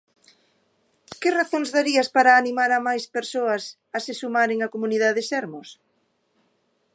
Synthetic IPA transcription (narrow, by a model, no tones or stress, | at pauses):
kɪraθõŋzðaɾiɐspaɾaːnimaɾamajspeɾsoɐs | ɐsɪsumaɾeŋakomuniðaðɪsɛɾmʊs